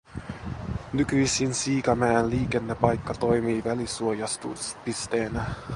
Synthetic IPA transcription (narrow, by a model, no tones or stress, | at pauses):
nykyjsinsiːkɑmæːnliːke̞nːe̞pɑjkːɑt̪o̞jmiːʋælisuojɑst̪uspist̪e̞ːnæ